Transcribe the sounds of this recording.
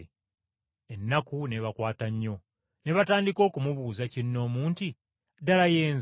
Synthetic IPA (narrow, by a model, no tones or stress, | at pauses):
enːakune̞βakwaːtaɲːo̞ | ne̞βataːndiko̞ːkumuβuːzacinːo̞ːmuːnti | dalaje̞ːnz